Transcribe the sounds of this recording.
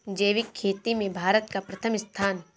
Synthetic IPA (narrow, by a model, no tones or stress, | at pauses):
d͡ʒeːʋɪkʰːeːt̪imẽbʱaːɾət̪kapɾɐt̪ʰəmɪst̪ʰaːn